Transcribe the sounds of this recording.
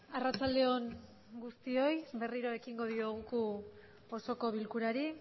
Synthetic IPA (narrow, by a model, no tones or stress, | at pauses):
arat͡sald̪e̞o̞ŋ | ɡust̪io̞jβe̞riɾo̞e̞kiŋɡo̞ðio̞ɣuku | oso̞ko̞β̞ilkuɾaɾi